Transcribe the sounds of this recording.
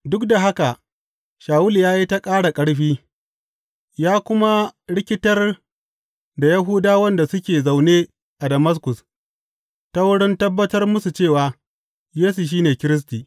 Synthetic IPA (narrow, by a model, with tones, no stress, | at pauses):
dʊ˦kda˨ɦa˦ka˨ʔ | ʃaː˨wʊ˦ljaː˦ji˦ta˦kʼaː˦ɽa˨kʼɐ˦ɽɸiː˦ | jaː˦kʷʊ˦ma˦ɽɪ˦kʲɪ˦tɐ˦r | da˨jɐ˦ɦuː˦daː˦wɐ˦nda˨sʊ˦kʲeː˨za˨wneː˦ | ʔa˨dɐ˨mɐ˦s̬kʊ˨s | ta˦wʊ˦ɽɪ˦ntɐ˦bːɐ˦tɐ˦rmʊ˦su˨t͡ʃeː˦˨waː˨ | jeː˦su˨ʃ̬iː˦neː˨kʲɪ˦ɾɪ˦s̬tiː˨